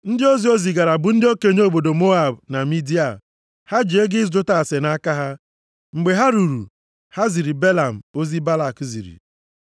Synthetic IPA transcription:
n̩˦dɪ˦o˦zi˨o˦zi˨ɡa˨ɾa˨bʊ˨n̩˦dɪ˦o˦ke˨ɲ˦o˦bo˨do˨mo˦a˨bna˨mi˦di˦a˨ | ha˦d͡ʒe˨e˦ɡɪ˦zdʊ˦ta˨se˨na˦ka˦ɦa˦ | ŋ͡m̩˨ɡ͡be˨ɦa˦ɾu˨ɾṵ˨ | ha˦zi˨ɾi˨be˦la˨m̩˨o˦zi˦ba˦la˨kzḭ˨ɾḭ˨

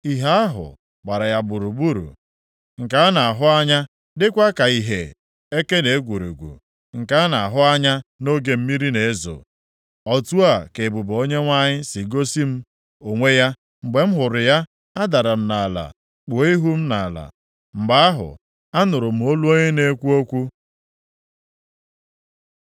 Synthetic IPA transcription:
i˨ɦa˦a˦ɦʊ̰˨ | ɡ͡ba˨ɾa˨ja˦bʊ˨ɾu˨bu˦ɾṵ˨ | ŋ̩˨ka˨˦a˦na˨a˨ɦʊ˦a˦ɲa˦ | dɪ˦kʷa˦ka˨i˨ɦḛ˨ | e˦ke˦ne˨e˦ɡʷu˨ɾṵ˨ɡʷṵ˨ | ŋ̩˨ka˨˦a˦na˨a˨ɦʊ˦a˦ɲa˦no˦ɡe˨m̩˦mi˦ɾi˦ne˨˦zʊ̰˨ | ɔ˨tu˦a˨ke˨bu˨bo˦ɲe˦ŋʷa˦ɲɪ˦sɪ˨ɡo˦si˦m̩˦ | o˨ŋʷe˦ja˦ | ŋ͡m̩˨ɡ͡be˨m̩˦ɦʊ˨ɾʊ˨ja˦ | a˦da˨ɾa˨m̩˦na˨la̰˨ | k͡pʊ˨˦i˦ɦu˦m̩˦na˨la̰˨ | ŋ͡m̩˨ɡ͡ba˦a˦ɦʊ̰˨ | a˦nʊ˨ɾʊ˨m̩˦o˦lu˦o˦ɲe˦ne˨˦kʷu˦o˦kʷu˦

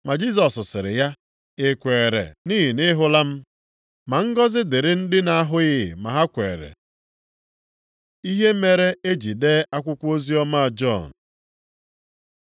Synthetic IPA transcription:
ma˨d͡ʒi˦s̬ɔ˨sʊ˨sɪ˨ɾɪ̰˨ja˦ | e˨kʷeː˨ɾḛ˨niː˦ɦi˨nɪ˦ɦʊ˦la˦m̩˦ | ma˨ŋ̩˦ɡɔ˦zɪ˦dɪ˨ɾɪ˨n̩˦dɪ˦na˦a˦ɦʊ˦ɣɪ˦˨ma˨ɦa˦kʷḛ˨ɾḛ˨ | i˦ɦe˦me˨ɾe˦e˦d͡ʒi˨de˦a˦kʷʊ˦kʷo˦zi˦ɔ˦ma˦˨d͡ʒɔ˦˨n˨

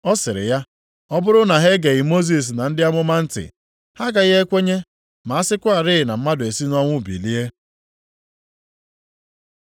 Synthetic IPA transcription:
ɔ˦sɪ˨ɾɪ̰˨ja˦ | ɔ˦bʊ˦ɾʊ˦na˨ɦe˦ɡe˨ɣi˨mo˦z̬i˨s̬na˨n̩˦dɪ˦a˦mʊ˦ma˦n̩˦tɪ̰˨ | ha˦ɡa˨ɣe˦kʷe˦ɲe˦ | ma˨a˦sɪ˦kʷa˨ɾɪ˦ɪ˨na˨m̩˦ma˦dʊ˨e˨si˦n˦ɔ˦ŋʷʊ˦˨bḭ˨li˦e˦

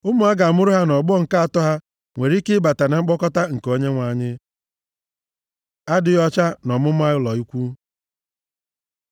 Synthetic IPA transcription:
ʊ˦mʊ˨a˦ɡa˨a˨mʊ˦ɾʊ˦ɦa˦nɔ˨ɡ͡bɔ˦ŋ̩˨ka˦a˨tɔ˦ɦa˦ | ŋʷe˨ɾi˦kɪ˦ba˨ta˨na˨ŋ͡m̩˦k͡pɔ˦kɔ˦ta˦ŋ̩˨ko˦ɲe˦ŋʷa˨ɲɪ˦ | a˦dɪ˨jɔ˦t͡ʃa˦nɔ˨mʊ˦mʊ˦a˦ɪ˦lɔ˨i˦kʷu˦

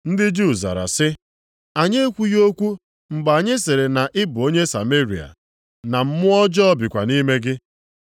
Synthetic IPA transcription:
n̩˦dɪ˦d͡ʒu˦˨za̰˨ɾa̰˨sɪ˦ | a˨ɲe˦e˦kʷu˦jo˦kʷu˦ | ŋ͡m̩˨ɡ͡ba˨ɲe˦se˨ɾe˨na˨ʔɪ˦bʊ˨o˦ɲe˦sa˨me˦ɾḭ˨a̰˨ | na˨m̩˦mʊ˦ɔ˦d͡ʒɔ˦ɔ˦bi˨kʷa˨ni˦me˦ɡɪ˦

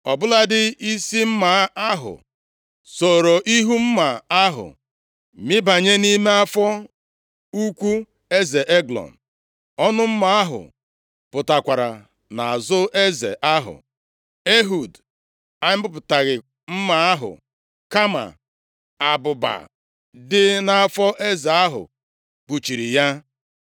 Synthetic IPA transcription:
ɔ˨bʊ˦la˦dɪ˦i˦si˦m̩˦ma˨a˦ɦʊ̰˨ | so˨ɾo˨ʔi˦ɦu˦m̩˦ma˨a˦ɦʊ̰˨ | mɪ˦ba˨ɲe˦ni˦me˦a˦fɔ˦ | u˦kʷu˦ | e˦ze˨ʔe˦ɡlɔ̰˨n̩˨ | ɔ˦nʊ˦m̩˦ma˨a˦ɦʊ̰˨ | pʊ˨ta˨kʷa˨ɾa̰˨ | na˨a˨zʊ˦ʔe˦zḛ˨ʔa˦ɦʊ̰˨ | e˦ɦu˨d | a˦ɲɪ˦bʊ˦p̬ʊ˨ta˨ɣɪ˨ | m̩˦ma˨a˦ɦʊ̰˨ | ka˦ma̰˨ | a˨bʊ˨ba̰˨ | dɪ˦na˨a˨fɔ˦ʔe˦ze˨a˦ɦʊ̰˨ | ku˨t͡ʃi˨ɾi˨ja˦

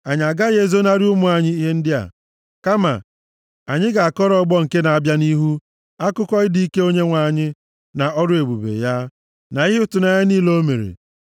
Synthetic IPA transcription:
a˨ɲ˨a˨ɡa˦je˦zo˦na˦ɾɪ˦ʊ˦mʊ˨a˨ɲɪ˦i˦ɦe˦n̩˦dɪ˦a̰˨ | ka˦ma̰˨ | a̰˨ɲɪ˦ɡa˨a˨kɔ˦ɾɔ˨ɡ͡bɔ˦ŋ̩˨ke˦na˨a˨bja˦ni˦ɦu˦ | a˦kʊ˦kɔ˦ɪ˦di˦i˦ke˦o˦ɲe˦ŋʷa˨ɲɪ˦ | na˨ɔ˦ɾʊ˦e˨bu˨bḛ˨ja˦ | na˨i˦ɦɪ˦ʊ˦tʊ˨na˨ja˦niː˦lo˦mḛ˨ɾḛ˨

